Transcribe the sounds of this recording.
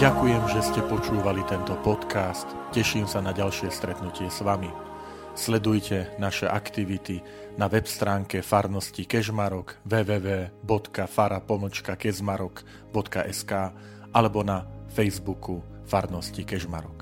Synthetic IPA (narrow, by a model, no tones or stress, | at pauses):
ɟakujɛmʒɛscɛpɔt͡ʃuːʋalit̪ɛnt̪ɔpɔt̪kaːst̪cɛʃiːmsanaɟalʃɪɛst̪ɾɛt̪nucɪɛzʋami | slɛd̪ujcʰɛnaʃɛʔakt̪iʋit̪i | naʋɛpst̪ɾaːŋkɛfaɾnɔscikɛʒmaɾɔɡʋɛːʋɛːʋɛːbɔt̪kafaɾapɔm̩t͡ʃkakɛzmaɾɔk | bɔt̪kaʔɛskaː | alɛbɔnafɛjzbuku | faɾnɔscikɛʒma̰ɾɔk